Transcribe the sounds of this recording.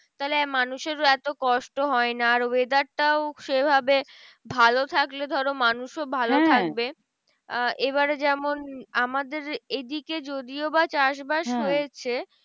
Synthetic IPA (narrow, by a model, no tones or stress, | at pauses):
t̪aɦlemanuʃeɾɛt̪okɔʃʈoɦɔenaːɾbed̪aɾʈaoʃebʱabe | bʱalot̪ʰakled̪ʱɔɾomanuʃobʱalot̪ʰak̚be | eβaɾd͡ʑɛmonamad̪eɾed̪iked͡ʑod̪iobat͡ɕaʃbaʃɦojet͡ɕʰe